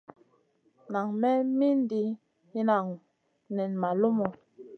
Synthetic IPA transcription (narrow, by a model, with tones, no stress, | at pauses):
na˨ŋmɛ˦mi˦n˦di˨˦ | i˦na˨ŋ˨ | nɛ˨nma˨lo˦mo˨